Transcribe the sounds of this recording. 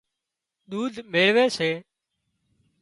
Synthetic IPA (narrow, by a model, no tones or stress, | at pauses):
ɗ̪uːd̪ʱmeːɭʋeːseː